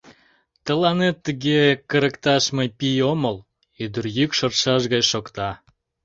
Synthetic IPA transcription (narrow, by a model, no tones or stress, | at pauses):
t̪ə̆lɑnet̪ːəɣekə̆ɾə̆kt̪ɑʃmɤpijoməl | yd̪ərjykʃə̆rʃɑʃɣɑjʃokt̪ɑ